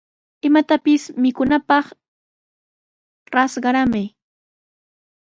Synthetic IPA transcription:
ɪmat̪apɪsmɪkʊnapɑχ | ɾɑsɢɑɾamaj

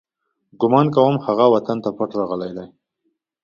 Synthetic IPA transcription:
ɡʊmɑnkawəmhaɣawat̪ant̪apaʈɾɑɣəlajd̪aj

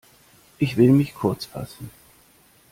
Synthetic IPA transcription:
ʔɪçv̥ɪlmɪçkʰʊɐt͡sfa̰sn̩

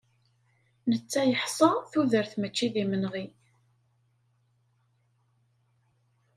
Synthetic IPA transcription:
nət͡sːæjəħsˤɑθuðəɾθmət͡ʃːiðimənʁi

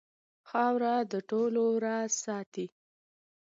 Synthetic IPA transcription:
xɑwɾad̪əʈoloɾɑsɑt̪i

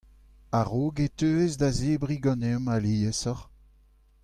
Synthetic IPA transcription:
aʁoːɡetøːezdazeːbʁiɡɑ̃nemaliːesɔʁ

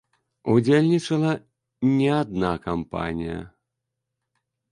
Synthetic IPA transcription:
ud͡zʲelʲnʲit͡ʂɐlˠɐ | nʲɛad̪nakampa̰nʲijɐ̰

